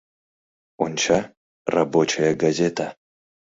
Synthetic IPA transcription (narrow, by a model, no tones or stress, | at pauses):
ʊnt͡ʃʰa | rɐbot͡ʃʰɐjɐɡɐzʲet̪ʰɐ